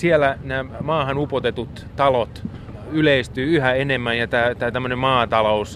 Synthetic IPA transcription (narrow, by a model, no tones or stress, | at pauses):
sielænæːmɑːhɑnupot̪et̪ut̪ | t̪ɑlot̪ | yleist̪yːyhæenemːænjɑt̪æːt̪æːt̪æmːønemmɑːt̪ɑlous